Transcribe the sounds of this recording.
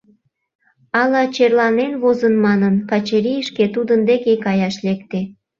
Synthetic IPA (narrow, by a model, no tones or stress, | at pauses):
ɑlɑt͡ɕerlɑnenβozənmɑnənkɑt͡ɕeɾijəʃket̪ud̪ənd̪ekekɑjɑʃlekt̪e